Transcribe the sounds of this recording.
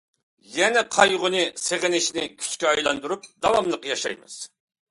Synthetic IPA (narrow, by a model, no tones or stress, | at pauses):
jɛnɛqʰɑjʁʊnɨseʁɪnɪʃnɪkʲʰy̥t͡ʃkʲɛɑjlˠɑ̰nd̪uɾup̚d̪ɑwɑmlˠəqjɑʃɑ̰jmɨ̰z̥